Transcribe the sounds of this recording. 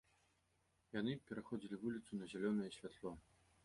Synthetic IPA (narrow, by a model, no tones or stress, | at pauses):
janɨpʲɛɾaxɔd͡zʲilʲivulʲit̪sunɐzʲalʲɔnɐjɛsʲvʲat̪lˠɔ